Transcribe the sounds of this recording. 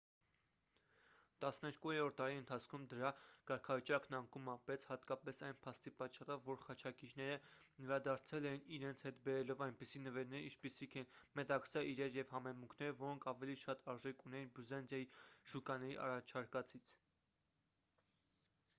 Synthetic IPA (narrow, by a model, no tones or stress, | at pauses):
t̪ɑsnɛɾkujɛɾɔɾt̪ːɑɾiənt̪ʰɑt͡sʰkʰumd̪əɾɑkɑɾkʰɑvit͡ʃɑknɑŋkumɑpɛt͡sʰhɑt̪kɑpɛsɑjnpʰɑst̪ipɑt͡ʃːɑrɔvːɔɾχɑt͡ʃʰɑkiɾnɛɾənɛɾɑd̪ɑɾt͡sʰɛlɛjiniɾɛnt͡sʰhɛt̪bɛɾɛlɔvɑjnpisinəvɛɾnɛɾḭt͡ʃʰpisikʰɛnmɛt̪ɑksɑʔiɾɛɾjɛvhɑmɛmuŋkʰnɛɾəvɔɾɔŋkʰɑvɛliʃɑt̪ɑɾʒɛkunɛjinbuzɑnd͡zɑjiʃukɑnɛɾiʔɑ̰rɑt͡ʃʰɑɾkɑt͡sʰit͡sʰ